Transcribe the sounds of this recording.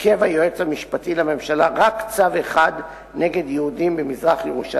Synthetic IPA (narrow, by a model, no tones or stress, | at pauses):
kevajoet͡shamiʃpatilame̞mʃalaʁakt͡saveχad̪ | ne̞ɡe̞d̪jehudimbemizʁaχjeʁuʃa